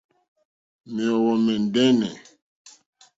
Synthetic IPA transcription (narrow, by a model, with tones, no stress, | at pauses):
mɛ˨ɔ˨wɔ˨mɛ˨n˨dɛ˦nɛ˨